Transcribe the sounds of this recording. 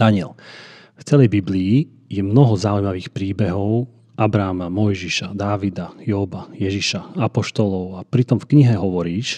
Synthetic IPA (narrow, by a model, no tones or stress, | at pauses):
d̥̪aɲɪɛl | ft͡sɛlɛjbibliː | jɛmnɔɦɔzaujmaʋiːxpɾiːbɛɦɔʊ | ʔabɾaːmamɔjʒiʃad̪aːʋid̪ajɔːbajɛʒiʃaapɔʃt̪ɔlɔʊapɾit̪ɔmfkɲiɦɛɦɔʋɔɾiːʃ